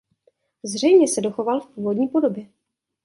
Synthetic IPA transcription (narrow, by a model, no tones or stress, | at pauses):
zr̝ɛjmɲɛsɛdo̞xovalfpuːvo̞dɲiːpo̞do̞bjɛ